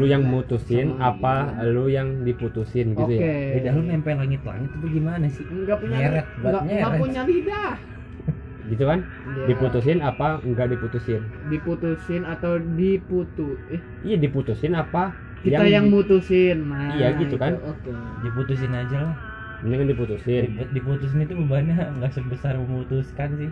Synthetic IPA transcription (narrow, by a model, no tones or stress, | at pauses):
lujaŋmut̪usɪnapalujaŋdiput̪usɪnɡit̪ujaebidaɦlumampalaŋɪt̪la̰ŋɪt̪ːtaɡimanasɪɡapuɲaeɾɛt̪̚ɡaɡaʔpuɲabida | ɡit̪̬ukan | diput̪us̬ɪnapaŋɡaʔdiput̪usɪndiput̪usɪnat̪awdiput̪u | ijadiput̪usɪnapa | kijat̪jaŋmut̪usɪnmaijaɡit̪ukanokediput̪us̬ɪnad͡ʒalah | bənaŋkandiput̪usɪdidiput̪us̬ɪnit̪̬uməbaɲaŋɡaʔsʊk̚bəsarməmut̪uskansɪh